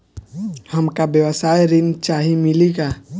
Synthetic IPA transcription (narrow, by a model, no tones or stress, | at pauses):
həmkabjəʋəsaːjɾɪnt͡ʃaːɦimɪleɡa